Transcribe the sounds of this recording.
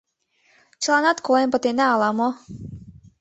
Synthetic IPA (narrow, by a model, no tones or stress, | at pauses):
t͡ʃlˠɑnɑt̪kolempɤ̆t̪enæɑlˠɑmo